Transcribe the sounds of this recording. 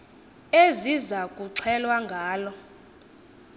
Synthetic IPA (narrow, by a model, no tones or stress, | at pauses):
ezizakʼuǀʰɛlwaŋɡʱaːlɔ